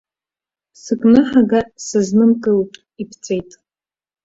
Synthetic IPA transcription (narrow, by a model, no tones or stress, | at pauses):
sɨkʼnɨħaɡasɨznɨmkʼɨlpʼ | ipʰt͡sʰʼejtʼ